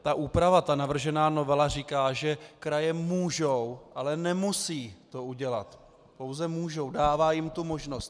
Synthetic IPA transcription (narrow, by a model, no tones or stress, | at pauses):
t̪aʔuːpɾavat̪anavr̩ʒɛnaːnovɛlar̝ikaːʒɛkɾajɛmuːʒo̞wʔalɛnɛmusiːt̪o̞uɟɛlat̪ | po̞wzɛmuːʒo̞wdaːvaːjɪmt̪umo̞ʒno̞st̪